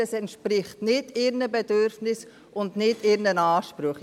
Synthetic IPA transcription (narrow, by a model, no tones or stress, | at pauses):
əsɛntʃpɾɪχtnɪdɪɾnəbɛdʏɾfnɪs | ʊndnɪdɪɾnənaːʃpɾʊχ